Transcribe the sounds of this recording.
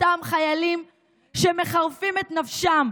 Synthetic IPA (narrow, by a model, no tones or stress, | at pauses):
tamχajalim | ʃeme̞χaʁfimet̪nafʃam